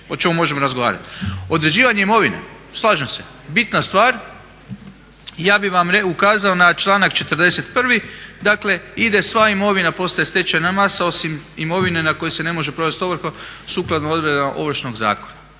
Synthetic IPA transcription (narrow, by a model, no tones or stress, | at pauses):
ot͡ʃe̞mumo̞ʒe̞moɾazɡo̞ʋa̰ːɾa̰t̪o̞d̪ɾe̞d͡ʒiːʋaɲe̞imo̞ʋinḛ | slˠaːʒemse̞ | bit̪nast̪ʋaːɾ | jaːbiʋamɾeukaːzao̞nat͡ʃlˠaːnakt͡ʃe̞t̪ɾd̪e̞se̞t̪pr̩ʋid̪akle̞id̪e̞sʋaimo̞ʋinapo̞st̪ajest̪et͡ʃanamasao̞simimo̞ʋine̞nako̞jese̞ne̞mo̞ʒe̞pɾo̞ʋe̞st̪o̞ʋɾ̩xosuːklˠad̪noo̞d̪ʋɾedʔo̞̰ʋr̩ʃnoɡza̰ːko̞na